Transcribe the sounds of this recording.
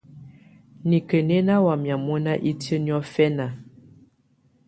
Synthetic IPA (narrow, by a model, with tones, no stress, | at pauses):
ni˨kə˨ne˦na˦wa˨mja˨mɔ˦na˦ʔi˦tjə˦n˦ɔ˦fɛ˦na˨